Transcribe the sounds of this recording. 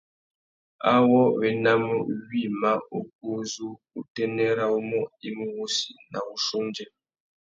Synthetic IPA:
a˦wɔ˦βɛ˨na˦mə˦wi˦˨ma˦o˨k̚o˦zu˦ | u˨tɛ˦nɛ˦ɾa˦u˦mɔ˦i˦mu˦wo˦si˨na̰˨u˨ʃo˦nd͡ʒɛ˦

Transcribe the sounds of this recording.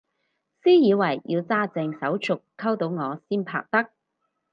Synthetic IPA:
siː˥jiː˨˧wɐ˨˩jji˧wt͡saː˥t͡sɛ˧ŋsɐ˨˥wt͡ʃʰʊ˨kʰːɐ˥wt̪o˨˧wŋɔː˨˧siː˥npʰa̰ː˧k̚t̪ɐ˥k̚

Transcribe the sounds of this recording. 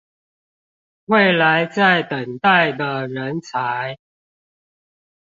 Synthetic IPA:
we˥˨ɪla˨˦ɪt͡sa˥˨ɪt̪ə˨˩ŋt̪a˥˨ɪd̪ə˨ɻə˨˦nt͡sʰa˨˦ɪ

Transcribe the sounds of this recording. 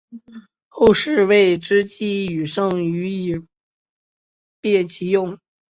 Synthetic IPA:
xo˥˧ʊʂɻ̩˥˧we˥˩ɪʈ͡ʂɻ̩˥t͡ɕi˥˩y˨˩ʂɤ˥˩ŋy˧˥i˨˩ | pjɛ˥˩t͡ɕi˧˥jʊ˥˩ŋ

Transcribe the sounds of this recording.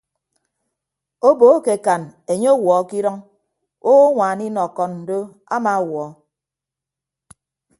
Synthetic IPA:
o˦bo˨˦ke˨ka˨ne˨ɲe˦o˦wɔ˨˦ki˦ɾɔ˦ŋ | o˦ŋʷaː˨ni˦nɔ˨kɔ˨nn̩˨do˦ | a̰˦ma˨wɔ˨˦

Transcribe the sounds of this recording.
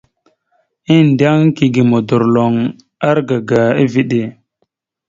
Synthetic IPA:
i˦n˨da˦ŋki˨ɡi˨mo˨du˨ɾlo˨ŋ | a˦ɾɡa˨ɡa˨i˦vi˦ɗe˨

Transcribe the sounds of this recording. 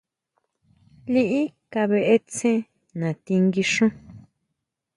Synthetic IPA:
li˦ʔi˦ka˧βe˧ʔe˦t͡sẽ˦ | nã˨t̪i˧ŋɡi˧ʂõ˦

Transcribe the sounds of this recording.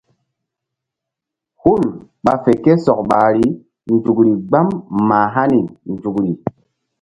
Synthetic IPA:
hu˦˨lɓa̰˨fe˨ke˦sɔ˨k̚ɓa˨ɾi˦ | nd͡ʒu˨kɾi˨ɡ͡ba˦mːaː˨ɦa˦ni˨nd͡ʒu˨kɾi˨

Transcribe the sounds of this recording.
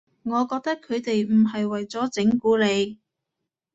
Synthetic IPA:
ŋɔː˨˧kɔː˧k̚t̪ɐ˥kʰːɵ˨˧ɥt̪e˨jm̩˨˩ɦɐ˨jwɐ˨jt͡sɔː˨˥t͡sɪ˨˥ŋkuː˨˥le˨˧j

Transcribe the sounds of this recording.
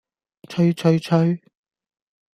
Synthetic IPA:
t͡ʃʰɵ˥ɥt͡ʃʰɵ˧ɥt͡ʃʰɵ˥ɥ

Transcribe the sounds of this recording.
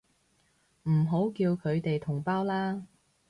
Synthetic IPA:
m̩˨˩ɦo˨˥wkiː˧wkʰɵ˨˧ɥt̪e˨jt̪ʰʊ˨˩ŋpaː˥wlaː˥

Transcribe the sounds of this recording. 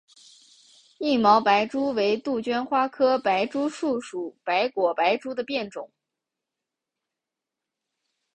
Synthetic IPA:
i˥˩mɑ˧˥ʊpa˧˥ɪʈ͡ʂu˥we˧˥ɪt̪u˥˩t͡ɕɥɛ˥nxwa˥kʰɤ˥pa˧˥ɪʈ͡ʂu˥ʂu˥˩ʂu˨˩˦pa˧˥ɪkwɔ˨˩pa˧˥ɪʈ͡ʂu˥d̪ə˨pjɛ˥˩nʈ͡ʂʊ̰˨˩˦ŋ

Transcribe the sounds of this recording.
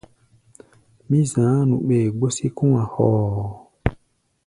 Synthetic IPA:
mĩ˦zãː˨˦nũ˨ɓe˨ɡ͡bo˦si˦kũ˦ã˨hɔː˨

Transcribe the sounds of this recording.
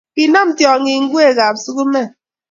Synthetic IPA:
i˨nɔ˦m̩˦tjɔ˨ŋi˨ŋ̩˦ɡʷu˦e˨ɣa˨p̚su˦ɣu˦me˦˨

